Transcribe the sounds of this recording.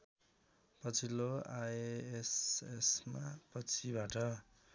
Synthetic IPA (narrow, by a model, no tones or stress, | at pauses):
pʌt͡sʰiloaesesmapʌt͡sʰibaʈʌ